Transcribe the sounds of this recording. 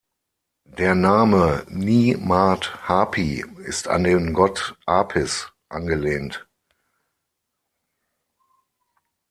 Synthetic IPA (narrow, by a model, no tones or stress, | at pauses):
d̥eːɐnaːməniːmaːthaːpʰiɪ̰sta̰ndeːmɡɔtʔaːpʰɪs | ʔanɡəleːnt